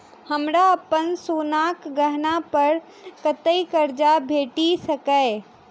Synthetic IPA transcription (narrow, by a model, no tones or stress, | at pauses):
həmɾaəpənsuːnaːkɡəɦnapəɾ | kət̪əikəɾd͡ʒabʱeːʈisəkəɪ